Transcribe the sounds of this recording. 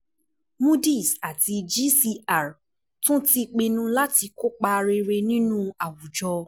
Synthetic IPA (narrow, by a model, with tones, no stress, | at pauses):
mũ˦di˦˨sa˨ti˧d͡ʒi˦si˧a˨ɾ | tũ˦ti˧k͡pe˧nũ˦la˦ti˧ko˦k͡pa˧ɾe˧ɾe˧nĩ˦nũ˦a˨wu˨d͡ʒɔ˧